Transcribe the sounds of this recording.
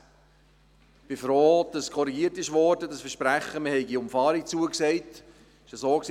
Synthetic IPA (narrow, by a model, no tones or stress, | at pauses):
b̥ɪfɾoːd̥ɑskʰɔɾiɡiəɾtɪʃvɔɾdədɑsfəʃpɾæχːəməhɛɪɡiʊmfɑːɾikt͡suəksɛɪt | ɪʃəsoːksi